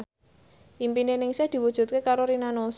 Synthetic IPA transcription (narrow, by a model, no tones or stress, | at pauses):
impinenɪŋsɛhd̪̥i̤wud̥ʒ̥ṳt̪̚kekaɾoɾinanos